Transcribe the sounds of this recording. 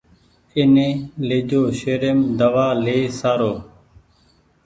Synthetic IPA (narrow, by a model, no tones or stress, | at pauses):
ɪnẽːleːd͡ʒoːʃeːɾemd̪əʋaːleːsaːɾoː